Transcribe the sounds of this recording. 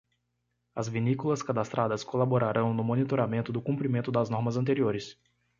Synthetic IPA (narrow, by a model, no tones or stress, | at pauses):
ɐzvinikulɐskad̪ast̪ɾʔad̪ɐskolaboɾaɾʔɐ̃w̃nʊmonit̪oɾamẽnt̪ʊd̪ʊkũpɾimẽnt̪ʊd̪ɐznɔɾmɐzɐ̃t̪eɾioɾɪs